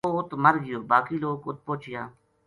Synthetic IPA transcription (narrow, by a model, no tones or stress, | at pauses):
oːʊt̪məɾɡɪjoːbaːkiːloːkʊt̪̚poːt͡ʃɪjaː